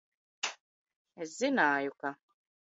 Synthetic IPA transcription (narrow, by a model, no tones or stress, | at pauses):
ɛszinaːjuka